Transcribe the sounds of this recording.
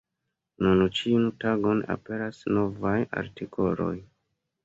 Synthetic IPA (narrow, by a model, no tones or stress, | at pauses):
nunt͡ʃiuntaɡo̞na̰pe̞ɾasno̞vaja̰ɾtikʰo̞lo̞̰j